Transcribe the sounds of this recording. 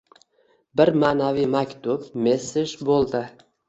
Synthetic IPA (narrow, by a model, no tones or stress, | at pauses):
bɪɾmaːnavijmakʲt̪ʰʊbmesɪʃbolˠd̪ɪ